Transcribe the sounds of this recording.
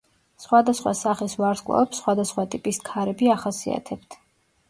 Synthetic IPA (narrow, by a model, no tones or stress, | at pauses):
sχwad̪asχwa̰saχisvaɾskʼlˠa̰ɛpsːχwad̪asχwat̪ʼipʼiskʰaɾɛbiaχasia̰t̪ʰɛbt̪ʰ